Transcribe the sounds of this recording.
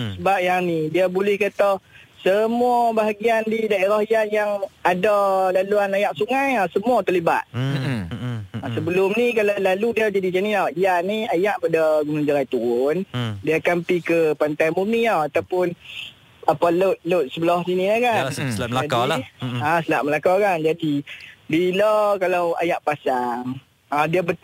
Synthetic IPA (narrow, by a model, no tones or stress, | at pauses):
səbap̚janidiabulɛhkat̪ɔsəmuabaɦaɡiandidaeɾahijanjaŋadalaluanajaʔ̚suŋajasəmuat̪əliba̰t̪̚ | asəbəlʊmnikalalaludiad͡ʒadit͡ʃaniaianiajaʔpadaɡumũŋd͡ʒaɾajt̪undiakampikəpant̪ajmuniawat̪awpʊn | apalot̪̚lot̪̚səbəlɔhsinĩlakanaadiasəlaʔməlakɔkand͡ʒadibilɔkalawa̰jaʔpasaŋ | adiabət̪